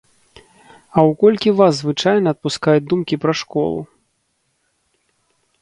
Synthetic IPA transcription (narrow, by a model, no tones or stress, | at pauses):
ɐwkɔlʲkʲivaszvɨt͡ʂajnɐːt̪̚puskajud̪umkʲipɾɐʂkɔ̰lˠṵ